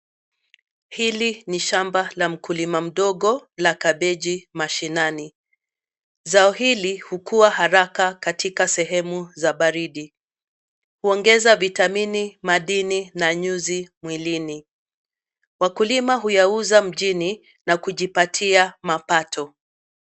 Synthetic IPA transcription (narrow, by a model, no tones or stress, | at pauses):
hiliniʃambalam̩kulimam̩ɗɔɠɔlakaɓɛʄimaʃinani | zaɔɦilihukuwahaɾakakatʰikasɛɦɛmuzaɓaɾiɗi | huɔŋɡɛzavitaminimaɗininaɲuzimwilini | wakulimaɦujauzam̩ʄini | nakuʄipatʰiamapatʰɔ